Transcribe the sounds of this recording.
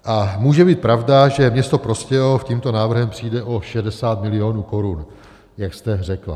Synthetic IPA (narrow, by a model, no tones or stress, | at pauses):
ʔamuːʒɛbiːt̪̚pɾavdaʒɛmɲɛst̪o̞pɾo̞scɛofciːmt̪onaːvr̩ɦɛmpr̥iːdɛʔo̞ʃɛdɛsaːt̪mɪlɪo̞ːnuːko̞ɾun | jakst̪ɛr̝ɛkla̰